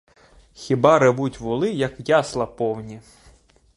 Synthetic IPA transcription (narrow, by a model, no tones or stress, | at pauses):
xʲɪbɑɾeʋutʲʋʊlˠɪjɐkjɑslˠɐpɔwnʲi